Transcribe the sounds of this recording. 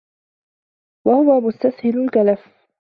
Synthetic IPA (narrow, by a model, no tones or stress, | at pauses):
wahʊwamʊst̪ashɪlʊlkalaf